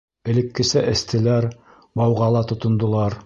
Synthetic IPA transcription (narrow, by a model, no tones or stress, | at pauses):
ɘ̆lɘ̆kːɘ̆sæʔɘ̆st̪ʰɘ̆læɾ | bɑwʁɑlˠɑt̪ŏt̪ŏnd̪ŏlˠɑɾ